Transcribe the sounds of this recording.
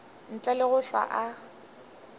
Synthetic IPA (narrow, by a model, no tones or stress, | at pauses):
n̩t͡ɬʼɛlɪɣʊɬwa̰ʔa